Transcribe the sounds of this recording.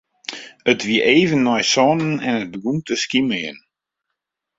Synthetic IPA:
ətʋiəʔeːvənːɔjsɔnənɛnət̚bəɡumtəskiməjə̰n

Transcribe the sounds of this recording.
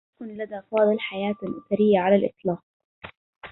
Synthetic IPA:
kʊnlad̪afɑːd̪ˤɨlħajaːt̪lʔʊθaɾɪjːaʕalalʔɪ̰t̪ˤlɑːq̚

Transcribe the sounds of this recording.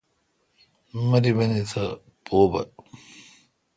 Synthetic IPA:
mɐɾibɐnit̪ʰɐ | pʰoːbɐ̰

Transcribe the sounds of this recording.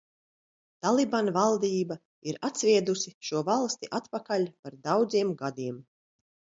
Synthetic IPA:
t̪alˠibanvalˠd̪iːba | iɾat̪svʲiɛd̪usiʃuɔvalˠst̪iʔat̪pakalʲpaɾd̪awd̪ziɛmɡad̪iɛm

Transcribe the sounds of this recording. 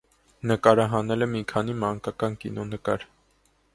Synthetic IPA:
nəkɑɾɑɦɑnɛlɛmikʰɑnimɑŋkɑkɑnkḭnɔnəkɑ̰ɾ

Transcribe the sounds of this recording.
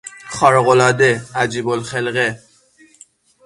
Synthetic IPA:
xɒːɾɣolɒːd̪eæd͡ʒiːbolxelɣe

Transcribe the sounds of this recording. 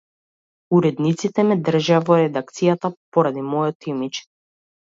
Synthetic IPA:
uɾɛd̪nit̪sit̪ɛmɛd̪r̩ʒaavɔɾɛd̪ak̚t̪sijat̪apɔɾad̪imɔjɔt̪imit͡ʃɛ̥

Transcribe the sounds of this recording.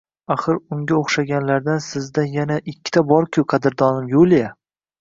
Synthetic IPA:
aχɨɾʊŋɡʲaoχʃaɡʲanlaɾd̪ansɪzd̪anjanaʔɪkʲːɪ̥t̪ʰabɒɾkʲʰʊqʰɑd̪ɪɾd̪ɒnɪmjolija

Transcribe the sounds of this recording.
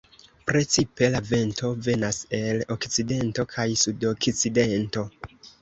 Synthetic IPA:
pɾe̞t͡sipe̞lave̞nto̞ve̞nase̞lokt͡side̞nto̞kʰajsudokt͡side̞nto̞

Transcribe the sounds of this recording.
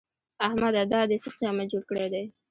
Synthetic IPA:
ahmad̪ad̪ɑd̪esəqjɑmad͡ʒoɾkəɽed̪aj

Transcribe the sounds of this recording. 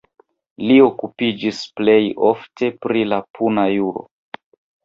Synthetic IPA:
lio̞kupid͡ʒisple̞jo̞ftʰe̞pɾilapʰunajuɾo̞̰

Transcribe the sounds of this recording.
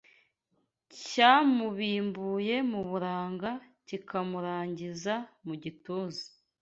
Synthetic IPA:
caːmuβiːmbuːje̞muβuɾaːŋɡa | cikamuɾaːɲɟizamuɟituːzi̥

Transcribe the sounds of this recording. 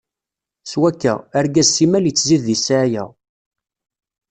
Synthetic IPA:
swækːæ̰əɾɡæzsimæljət͡sːziðːisʕajæ̰

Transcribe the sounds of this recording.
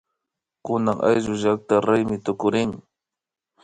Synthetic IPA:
kʊnaŋʔa̰jʒʊʒak̚t̪aɾajmɪt̪ʊkʊɾɪŋ

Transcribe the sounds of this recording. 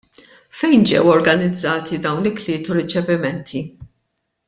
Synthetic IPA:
fɛjnd͡ʒɛ̰wɔɾɡɐnɪd͡zːɐːt̪ʰid̪ɐwnɪklɪːt̪uɾɪt͡ʃɛvɪmɛnt̪ʰi

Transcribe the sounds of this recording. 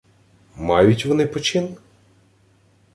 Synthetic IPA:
mɑjʊtʲʋɔnɪpɔt͡ʃɪn

